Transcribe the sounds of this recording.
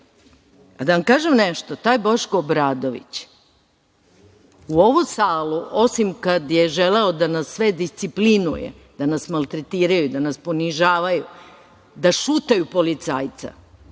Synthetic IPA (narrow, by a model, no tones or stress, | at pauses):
ad̪aʋamkaːʒemneʃt̪ot̪aːjeboʃkoːbɾaːd̪oʋḭt͡ɕ | uo̞ʋusaːluo̞simkad̪jeʒeleo̞d̪anasːʋe̞d̪ist̪siplinṵjḛ | d̪anasmalˠt̪ɾet̪iːɾajud̪anaspo̞niʒaːʋaju | d̪aʃuːt̪ajupo̞lit̪saːjt̪sa̰